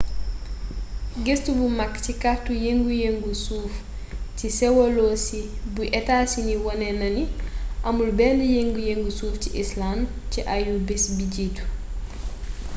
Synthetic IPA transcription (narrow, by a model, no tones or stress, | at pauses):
ɡestubumɐkːcikahtujeŋɡujeŋɡusuːf | cisɛwoloːsibuʔɛtaːsiniwɔnɛnɐniʔɐmulbɛːndijeŋɡujeŋɡusuːfciʔislanciʔajubisbiɟiːtu̥